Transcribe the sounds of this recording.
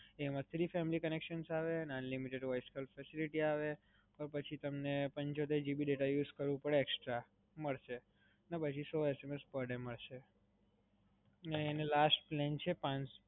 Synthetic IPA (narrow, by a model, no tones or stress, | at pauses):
emãt̪ʰɾifɛmilikənekʃənsaʋenənlimiʈeɖʋajskʰəlfɛsiliʈiaʋe | pəɾpət͡ʃʰit̪əmnepəɲt͡ʃot̪̬eɾd͡ʒibiɖeʈajuzkəɾʋũpəɽeːksʈɾa | məɭʃe | nəpət͡ʃʰisɔesemespəɾɖeməɭʃe | neːnelasʈplɛnt͡ʃʰepãɲt͡ʃ